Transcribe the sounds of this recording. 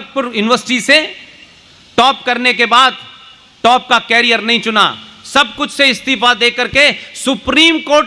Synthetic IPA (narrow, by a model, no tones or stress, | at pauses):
k̪̚pʊɾjʊnɪʋəɾsɪ̥ʈise | ʈɔːp̚kɐɾnek̬ebaːd̪ | ʈɔːp̚kakɛːɾijəɾnɐɦĩt͡ʃʊna̰ːsɐb̚kʊt͡ʃʰseɪst̪ɪfad̪eːkəɾkesʊpɾiːmkoːɾʈ